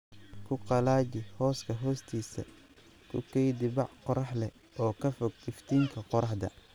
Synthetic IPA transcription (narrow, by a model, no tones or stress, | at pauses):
kʰʊqɑlaːt͡ʃɪhɔːskʰɐɦɔːst̪ʰiːsɐ̰ | kʰʊ̰kʰɛjd̪ɪbɑʕqɔɾɑħlɛ | ɔːkʰɐfɔɡɪft̪ʰiːŋkʰɐqɔɾɑħd̪ɐ̰